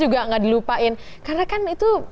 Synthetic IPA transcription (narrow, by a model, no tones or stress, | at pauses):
d͡ʒuɡaŋadilupaʔɪn | karnakanit̪u